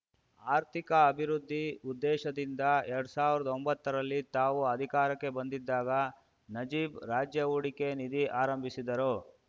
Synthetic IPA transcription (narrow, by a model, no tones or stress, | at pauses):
aːɾt̪ʰikɐːbʱiɾud̪ʱːiud̪ːɛːʃɐd̪ind̪ɐɛɾɐɽusaːʋiɾɐd̪ɐombɐt̪ːɐɾɐlːit̪aːʋuɐd̪ʱikaːɾɐkːe̞bɐnd̪id̪ːaːɡɐ | nɐd͡ʒiːbɾaːd͡ʒjɐuɽike̞nid̪iʔaːɾɐmbʱisid̪ɐɾu